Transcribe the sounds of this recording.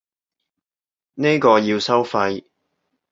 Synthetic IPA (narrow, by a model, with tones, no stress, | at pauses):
ne˥jkɔː˧jiː˧wsɐ˥wfɐ˧j